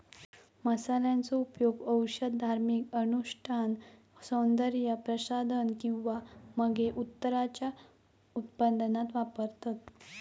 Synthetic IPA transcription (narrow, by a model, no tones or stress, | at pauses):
məsaljant͡sɔupjoɡəwɕəd̪̚d̪ʱaɾmikənuɕʈʰan | sənd̪əɾjəpɾəsad̪ʱənkĩw̃ʋaməɡeʔut̪ːəɾat͡ɕja | ut̪pənd̪nat̪ʋapəɾt̪at̪